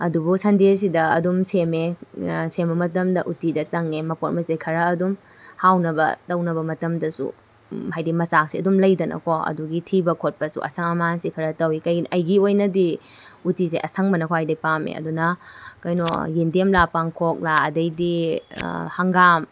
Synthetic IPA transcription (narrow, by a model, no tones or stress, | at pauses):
ɐdubusɐndes̬idɐɐdumsemesembɐmɐtɐmdɐʔutidɐt͡ʃɐŋːemɐpot̚mɐsekʰɐɾɐːdum | hawnɐbɐ̰tɐwnɐbɐmɐtɐmdɐsṵ | ɦajdimɐsak̚siɐdumlɐjdɐnʔɐ̰kʰoɐ̰duɡitʰibɐkʰot̚pɐsṵʔɐ̰sɐŋɐmansikʰɐɾɐtɐwikɐjʔɐjɡiojnɐdi | utiseʔɐsʰɐŋbɐnɐkʰoɦajdɐjpamḛɐ̰dunɐkɐjno̰jindemlapaŋkʰok̚laɐdɐjdi | hɐŋɡam